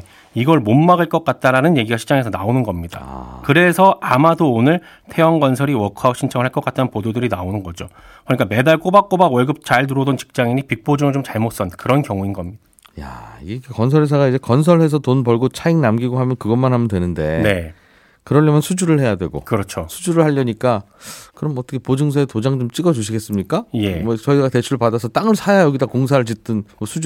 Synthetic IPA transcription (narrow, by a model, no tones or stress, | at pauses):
iɡʌɭmommaɡɯɭk͈ʌk͈at̚t͈aɾanɯnje̞ɡiɡaɕʰi̥t͡ɕ͈aŋesʰʌnaonɯnɡʌmɲida̰kɯɾe̞sʰʌamadoːnɯɭ | tʰe̞ʌŋɡʌnsʰʌɾiwʌkʰauɕʰint͡ɕʰʌŋɯɭhaɭk͈ʌk͈at͈ʰanpododɯɾinaonɯnɡʌd͡ʑokʰʌɲik͈ame̞daɭk͈obak͈̚obaɡwʌɭɡɯp̚t͡ɕaɭt̬uɾʌdont͡ɕi̥k̚t͡ɕ͈aŋiɲipik̚p͈od͡ʑɯŋɯɭt͡ɕomt͡ɕaɭmot̚s͈ʌnkɯɾʌnkjʌŋuinɡʌmɲida | ja̰ikʰekʌnsʰʌɾes̬ʰaɡaid͡ʑe̞kʌns̬ʰʌɭhe̞sʰʌtonbʌɭɡot͡ɕʰaiŋnamɡiɡohamjʌnkɯɡʌnmanhamjʌndwe̞nɯnde̞ne | kɯɾʌʎːʌmjʌnsʰud͡ʑuɾɯɭhe̞jadwe̞̰ɡo̰kɯɾʌt͡ɕʰosʰud͡ʑuɾɯɭhaʎːʌɲik͈a | kɯɾʌmʌt͈ʰʌkʰepod͡ʑɯŋsʰʌetod͡ʑaŋt͡ɕomt͡ɕ͈iɡʌd͡ʑuɕʰiɡe̞s͈ɯmɲik͈ajemʌt͡ɕʌiɡate̞t͡ɕʰuɾɭpadasʰʌt͈aŋɯɭsʰajajʌɡidakoŋs̬ʰaɯɭd͡ʑit͈ɯnmʌsʰud͡ʑ